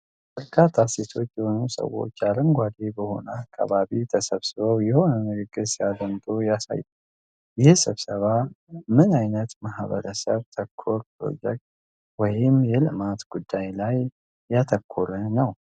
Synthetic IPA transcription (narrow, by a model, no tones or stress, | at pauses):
bəɾkʰat̪ʰːaset̪ʰo̞t͡ʃːjɛho̞nusə̰wo̞̰t͡ʃːaɾɨŋɡʷad̪ebəho̞̰nəakʰːa̰βaβit̪ʰəsəβsɨβowjɛho̞nəmɨɾɨɡɨsiad̪ənt̪ʼujasa̰jːə | jɪhsɨβsəβamɨnajnət̪mahβə̰ɾəsəβt̪ʰəkʰːoɾpʰɾo̞̰d͡ʒɛk̚t̪̚ | wɔjɪmjɛlɨmat̪ɡ̥ud̪ːajlajː | at̪ʰəkʰːuɾənəw